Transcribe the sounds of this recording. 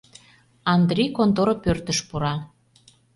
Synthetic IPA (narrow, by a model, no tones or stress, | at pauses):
ɑnd̪rʲijkont̪oɾopørt̪əʃpuɾɑ